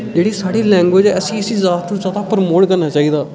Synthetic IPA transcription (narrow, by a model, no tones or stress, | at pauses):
d͡ʒeːɽiːsaːɽiːlɛ̃ːŋɡʋeːd͡ʒɛːəsĩːɪsiːzaːt̪nũːzaːd̪aːpəɾmoːɽkəɾnaːt͡ʃaːiːd̪aː